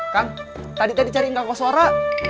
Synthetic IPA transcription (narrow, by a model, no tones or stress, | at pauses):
kaŋ | t̪adit̪adit͡ʃaɾiŋɡakwasaɾa